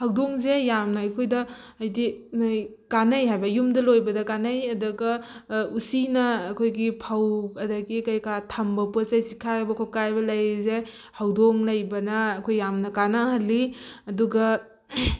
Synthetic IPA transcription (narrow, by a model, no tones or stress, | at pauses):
hawdoŋzejamnɐɐjkʰojdɐːjdi | kanɐjɦajbɐjumdɐlojbɐdɐkanɐjɐdɐɡɐusinɐːkʰojɡipʰawkɐdaɡikɐjkatʰɐmbɐposejsikʰaajbɐkʰokabɐlɐjɾize | hawdoŋlɐjbɐnɐːkʰojːamnɐkanaɦɐlːiɐduɡɐ